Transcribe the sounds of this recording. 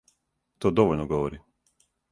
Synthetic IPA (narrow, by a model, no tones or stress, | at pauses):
t̪od̪oʋoʎnoɡoʋoɾi